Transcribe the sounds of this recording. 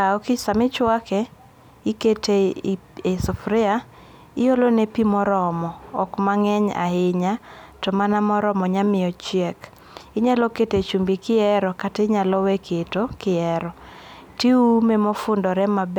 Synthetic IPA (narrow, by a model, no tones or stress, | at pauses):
aɔkɪsamɪt͡ʃwakɛ | iketeesɔfɾɪa | ɪjolonepimɔɾɔmɔɔkmaŋɛɲa̰hɪɲatɔmanamɔɾɔmɔɲamɪɔt͡ʃjɛk | ɪɲalɔketet͡ʃumbikɪɛɾɔkateɲalɔwekʰetokɪɛɾɔ | tiumemofʊndɔɾɛmab